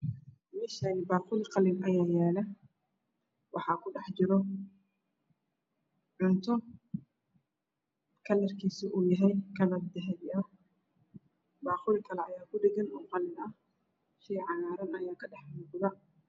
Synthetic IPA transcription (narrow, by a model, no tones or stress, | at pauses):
mɛʃanɪbaːqʊlɪqɑlɪnʔɐjaːjɛːlɛ | wɑħɑːkʰʊɖɛħd͡ʒɪɾɔ | ʕʊnt̪ʰɔ | kʰɐlɐrkʰiːsiʔuːjɐɦɛjkʰɐlɐbd̪ɛɦɛβɪɐ | baːqʊlɪkʰɐlɛɐjaːkʰʊdɛɡɛnuːqɑlɪnɐh | ʃiːʕɑnaːɾɐnɐjaːkʰɐɖɛħmʊqðɐ